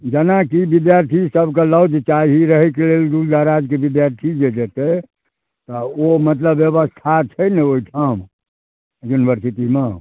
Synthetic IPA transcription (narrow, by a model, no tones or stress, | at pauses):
d͡ʒənakibid̪jaɾt̪ʰisəbʱkeləd̪t͡ʃaiɦiɾəɦɛkeleld̪uld̪ʱaɾad͡ʒkebid̪jaɾt̪ʰid͡ʒed͡ʒet̪ɛ | t̪ɔomət̪̬ləbjeβəst̪ʰat͡ʃʰəjnɛoiʈʰam | junibʱəɾsit̪ime